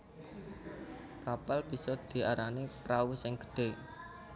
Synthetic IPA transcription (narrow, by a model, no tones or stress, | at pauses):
kapalb̥i̤sɔd̪̥i̤aɾanipɾausɪŋɡ̥ə̥ɖ̥e̤